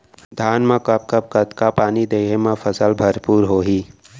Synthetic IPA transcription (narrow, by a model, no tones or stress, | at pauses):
d̪ʱaːnmãkɐp̚kəp̚kət̪kapaːnid̪eːɦemãfʰəsəlbʱəɾpuːɾɦoːɦiː